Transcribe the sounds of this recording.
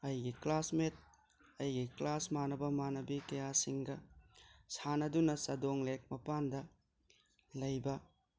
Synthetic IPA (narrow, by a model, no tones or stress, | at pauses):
ɐjɡiklasmet̚ | ɐjɡiklasmanɐbɐmanɐbikɐjasiŋɡɐ | sanɐdunɐsɐdoŋlek̚mɐpandɐ | lɐjbɐ